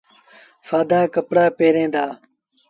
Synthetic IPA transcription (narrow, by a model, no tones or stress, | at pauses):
faːd̪aːkɐpɽaːpeːɾẽːd̪aː